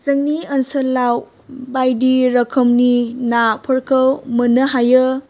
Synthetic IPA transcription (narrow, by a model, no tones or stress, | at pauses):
zɐŋniɐnsɐlaw | bajdiɾɐkʰəmninapʰəɾkʰəwmənəɦajə